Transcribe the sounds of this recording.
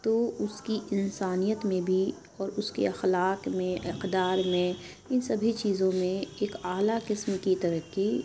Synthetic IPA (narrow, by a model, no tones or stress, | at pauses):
t̪oʊskiʔɪnsaːnijət̪mẽbʱi | ɔːɾʊskḛɐxlaːqmẽʔɪqd̪aːɾmẽ | ɪnsɐbʱit͡ʃiːzõmẽeːkaːlaqkɪsmkit̪ɐɾəkːi